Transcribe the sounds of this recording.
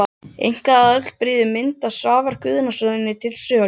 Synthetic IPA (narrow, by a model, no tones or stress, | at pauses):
ḛjŋ̥kaðaœt̪l̥pɾiːðʏmɪnt̪asaːvaɾ̥kʰʏðʏnasœðɪnːɪt̪ʰɪlsʏːa